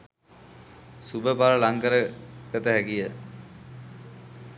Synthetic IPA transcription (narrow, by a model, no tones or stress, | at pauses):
subəpaɾəlaŋkəɾəkət̪əɦækijə